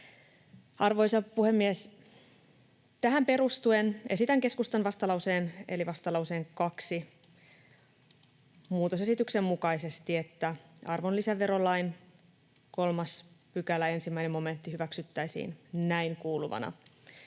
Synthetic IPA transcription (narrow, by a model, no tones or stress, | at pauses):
ɑrʋo̞jsɑpuhe̞mːies | t̪æɦæmpe̞ɾust̪uene̞sit̪æŋke̞skust̪ɑnʋɑst̪ɑlɑwseːne̞liʋɑst̪ɑlɑuse̞ːŋkɑksi | muːt̪ose̞sit̪ykse̞mːukɑise̞st̪ie̞t̪ːæɑrʋo̞nlisæʋe̞ɾo̞lːɑin | ko̞lmɑspykælæe̞nsimːæinemo̞me̞nt̪ːihyʋæksyt̪ːæisḭːnnæiŋkuːluʋɑ̰nɑ̰